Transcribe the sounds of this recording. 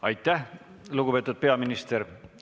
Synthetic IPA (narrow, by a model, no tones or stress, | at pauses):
ɑ̰jt̪ːˑæh | luɡupe̞ːt̪ud̪̥̚pe̞ɑminist̪eɾ